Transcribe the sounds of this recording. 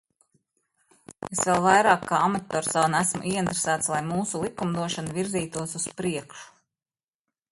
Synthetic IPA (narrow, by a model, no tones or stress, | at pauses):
esvelˠvajɾɑːkːaamat̪ːɔːɾsawnæsmuʔiɛint̪ɾesæːt̪slˠajmuːsulˠikumd̪uɔʃanuviɾziːt̪uɔsuspɾiɛkʃu̥